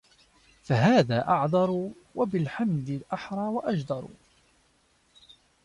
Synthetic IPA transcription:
faɦaːðaːʔɑʕd̪ˤɑɾˤ | wabɪlħamd̪ɪlʔaħɾˤɑːwaʔad͡ʒd̪ˤɑɾˤṵ

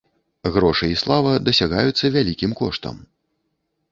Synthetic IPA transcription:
ɣɾɔʂɨislˠavɐd̪ɐsʲaɣajut̪sːɐvʲalʲikʲimkɔʂt̪ɐ̰m

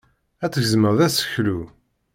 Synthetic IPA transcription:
æt͡sːəçəzməʁðæsə̥çlu

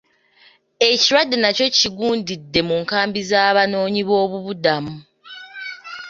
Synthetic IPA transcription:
e̞ciɾwadːenaco̞ciɡuːndidːe̞muŋkaːmbizaːβano̞ːɲiβo̞ːβuβudamu

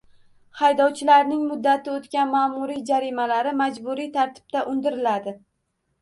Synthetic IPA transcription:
hajd̪ɒwt͡ʃʰɪlaɾnɪŋmʊd̪ːat̪ʰɪot̪kʲanmaːmʊɾid͡ʒaɾimalaɾɪmad͡ʒbʊɾijt̪ʰaɾt̪ʰɪ̥b̥̚t̪aʔʊnd̪ɪɾɪlad̪ɪ

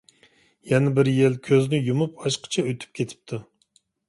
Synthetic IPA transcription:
jɛnɪbɪɾjelkʲʰøznɪjumupɑʃqʰə̥t͡ʃʰɑøt̪ʰy̥p̚kʲʰet̪ʰɪ̥p̚t̪ʰu

